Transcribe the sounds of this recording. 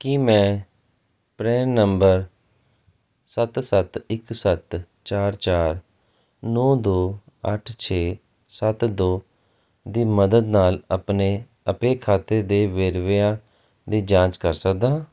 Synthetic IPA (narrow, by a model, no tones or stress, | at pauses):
kimɛ̃ː | pɾɛːnəmbəɾ | sət̪sət̪ɪksət̪ | t͡ʃaːɾt͡ʃaːɾ | nɔːd̪oː | əʈʰt͡ʃʰeː | sət̪d̪oː | d̪iːməd̪əd̪naːləpneː | əpeːkʰaːt̪eːd̪eːʋeɾʋjaː | d̪iːd͡ʒãːt͡ʃkəɾsəkd̪aː